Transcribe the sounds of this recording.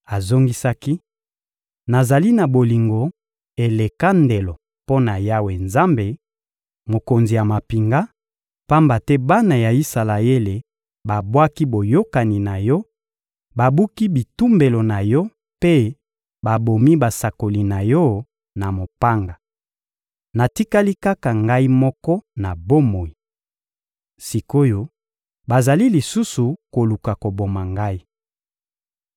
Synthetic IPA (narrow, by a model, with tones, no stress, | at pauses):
a˨zo˦ŋɡi˦sa˦ki˦ | na˨za˨li˦na˨bo˨li˨ŋɡo˨ | e˨le˨ka˦nde˨lo˨ | po˦na˨ja˦we˨nza˦mbe˨ | mo˨ko˨nzi˨ja˨ma˨pi˨ŋɡa˦ | pa˦mba˨tɛ˦ba˦na˨ja˨i˦sa˨la˨e˦le˨ | ba˨bwa˦ki˦bo˨jo˦ka˨ni˨na˨jɔ˦ | ba˨bu˦ki˦bi˨tu˦mbe˨lo˨na˨jɔ˦ | pe˦ | ba˨bo˨mi˦ba˨sa˨ko˨li˨na˨jɔ˦ | na˨mo˨pa˦ŋɡa˨ | na˨ti˦ka˦li˦ka˦ka˨ŋɡa˦i˦mɔ˦kɔ˦na˨bo˦mo˨i˨ | si˨ko˦jo˦ | ba˨za˨li˦li˨su˦su˨ko˨lu˨ka˨ko˨bo˨ma˨ŋɡa˦i˦